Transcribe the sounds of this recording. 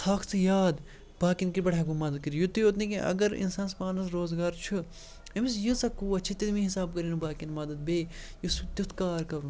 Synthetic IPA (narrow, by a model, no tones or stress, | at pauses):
t̪ʰaːkʰt͡sʰɨjaːd̪ | b̥aːkinkiɾbɐɽaːɡumɐd̪ɐd̪̚kiɾjut̪ujoːt̪nikẽʔɐ̰ɡɐɾḭnsaːnsmaːnɐs̬ɾoːzɡaːɾt͡ʃʰu | emisjɨsɐkuːɐt͡ʃʰit̪id̪mĩɦisaːb̚kɐɾiːnubaːkinmɐd̪ɐd̪̚beːjusut̪ut̪ʰkaːɾkɐɾu